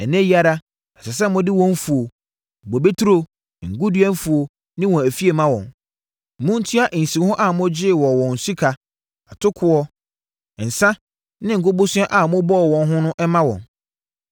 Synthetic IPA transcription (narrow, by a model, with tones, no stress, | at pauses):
ɛ˨nɪ̃˦ji˦a˨ɾa˦ | ɛ˨sɛ˨s̬ɛ˦mʊ̃˦dɪ˦wɔ̃˦ɱ̩˦fu˨o˨ | ɡ͡bo˨be˦tʰu˦ɾo˦˨ | ŋ̩˨ɡʊ˦dɥɛ˦n˦fu˨o˨ | nɪ̃˦wɔ̃˨æ˨fi˦e˨mã˦wɔ̰̃˨n˨ | mʊ̃˦n̩˦tʰi˦a˦ʔn̩˨sĩ˨˦hʊ̃˦ʔa˦˨mʊ̃˦d͡ʑɪ˦˨wɔ˨wɔ̃˨n̩˨si˦kʰa˨ | a˨tʰʊ˦kʰʊ˨˦ɔ˦˨ | n̩˨sã˦ | nɪ̃˦ŋ̩˨ɡʊ˦bʊ˦sʊ˦ɛ˦ʔa˨mʊ̃˦bɔ˦ɔ˨wɔ̃˨nɦʊ̃˦nʊ̃˦ʔɛ˦mã˦wɔ̰̃˨n